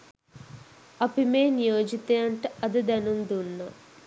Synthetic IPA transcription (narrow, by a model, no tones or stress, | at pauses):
ɐpimeːnijoːd͡ʒit̪eɐɳʈɐd̪id̪ɐnund̪unːɐ